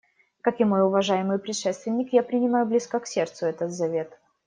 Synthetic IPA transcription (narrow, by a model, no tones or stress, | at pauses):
kakɪmo̞jʊvɐʐajɪmɨjpɾʲɪt̪ʂɛst̪vʲɪnʲːɪkjapɾʲɪnʲɪmajʊblʲiskəksʲe̞rt̪sʊɛt̪ət̪zɐvʲe̞t̪